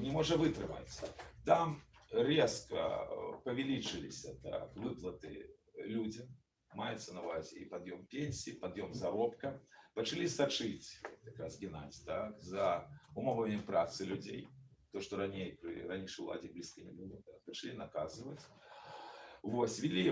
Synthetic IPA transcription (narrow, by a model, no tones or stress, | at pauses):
nʲɪmɔʐɐvɨt̪ɾɨma̰t͡sʲt̪amrʲɛskɐ̰pɐvʲɛlʲit͡ʂɨlʲɪ̰sʲɐt̪a̰kvɨplˠɐt̪ɨ̰ | lʲud͡zʲɐmː | ajɛt̪sɐnɐlˠazʲḭpad̪jɔmpʲenʲsʲiːpad̪jɔmzaɾɔpkɐpɐt͡ʂalʲisat͡ʂɨt͡sʲt̪jakɾasɡʲinazʲt̪akzɐumɔvɐnʲɛmpɾat̪sɨlʲud͡zʲḛjt̪oʂt̪ɔɾanʲejpɾɨ̰ranʲiʂɨwlˠa̰d͡zʲijblʲiskɐnʲɛbɨlˠɨt̪ak̚pɐt͡ʂalʲinɐkazɨvɐt͡sʲ | vosʲvʲilʲi